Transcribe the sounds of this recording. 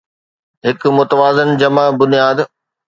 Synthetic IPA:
ɦɪkmʊt̪əʋaːzənd͡ʑɐmabʊnijaːd̪

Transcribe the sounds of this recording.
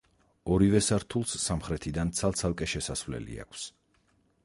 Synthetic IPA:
ɔɾivɛsaɾt̪ʰulˠsːamχɾɛt̪ʰid̪ant̪sʰalˠt̪sʰalˠkʼɛʃɛsasvlɛ̰lḭa̰kʰs

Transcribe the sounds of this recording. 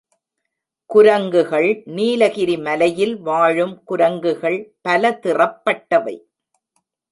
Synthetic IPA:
kʊɾɐŋɡɯɣɐɭniːlɐɣɪɾimɐlɐjɪlʋaːɻɯmkʊɾɐŋɡɯɣɐɭpɐlɐt̪ɪrɐpːɐʈːɐʋɐ̰ɪ

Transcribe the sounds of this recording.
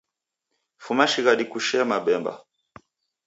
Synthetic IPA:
fumaʃiɣaɗikuʃɛmaɓɛmba̰

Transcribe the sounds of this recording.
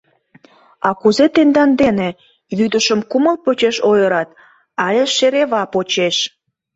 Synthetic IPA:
ɑkuzet̪end̪ɑnd̪ene | βyd̪əʃəmkuməlpot͡ɕeʃojəɾɑt̪ | ɑlʲeʃeɾeβɑpot͡ɕeʃ

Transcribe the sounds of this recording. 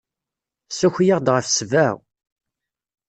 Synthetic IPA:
suçjaʁd̪ʁəfsvæw

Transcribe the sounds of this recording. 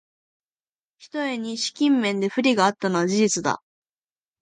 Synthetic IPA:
çi̥t̪o̞e̞ɲ̟iɕi̥kʲĩmːẽ̞nd̪e̞ɸɯ̟ɾʲiɡaːt̪ːano̞βad͡ʑiʑit͡sɨd̪a̰

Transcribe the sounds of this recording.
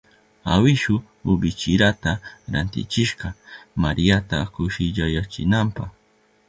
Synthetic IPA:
a̰wɪʃʊ | ʊbɪt͡ʃɪɾat̪aɾant̪ɪ̰t͡ʃɪʃqɑmaɾijat̪akʊʃɪʎajat͡ʃɪ̰nampɑχ

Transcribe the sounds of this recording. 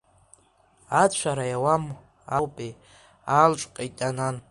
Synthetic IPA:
at͡ɕʷʰaɾajawam | awpʼe | alt͡ʃʷʼqʼajtʼanan

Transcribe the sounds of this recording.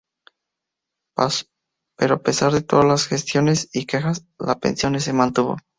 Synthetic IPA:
peɾoape̞saɾðet̪oðazlasxest̪jo̞ne̞sike̞xas | la̰pe̞̰nsjo̞nes̬emãnt̪uβo̞̰

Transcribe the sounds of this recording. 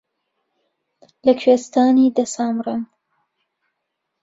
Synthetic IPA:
lɐkʰwest̪aːniːd̪ɐsaːmrɨn

